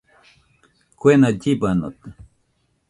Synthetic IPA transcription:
kʷenaɟibano̰t̪

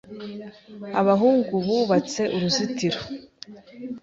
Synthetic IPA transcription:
aβaɦuːŋɡuβuβat͡se̞ʔuɾuzitiɾo

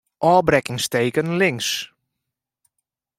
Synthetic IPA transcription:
ʔɔːbrɛkɪŋstejkənlɪŋs

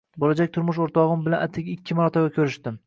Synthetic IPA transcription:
bolad͡ʒak̚ʲt̪ʰʊɾmʊʃ̬oɾt̪ʰɒʁɨmbɪlanat̪ʰɪkʲɪkʲʰːɪmaɾɒt̪ʰabakʲʰɵɾɪʃt̪ɪm

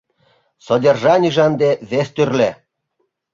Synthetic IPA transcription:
sod̪ʲerʒɑnʲiʒɑnd̪eβest̪yrle

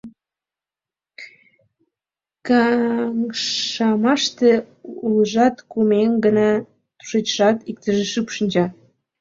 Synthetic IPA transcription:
kɑŋɑmɑʃt̪e | uləʒɑt̪kumeŋɡənɑ | t̪u̥ʃet͡ɕʒɑt̪ik̚t̪əʒeʃypʃənʲd͡ʑɑ

